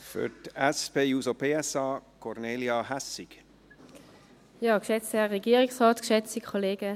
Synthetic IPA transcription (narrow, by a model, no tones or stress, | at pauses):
fy̰ɾtɛspeːjuːsopʰeːɛsɑːkʰɔɾneːljɑɦæsɪk | jaːkʃɛt͡sɛʁeɡiːəʁɪksʁɔːtkʃɛt͡sikʰoleːɡə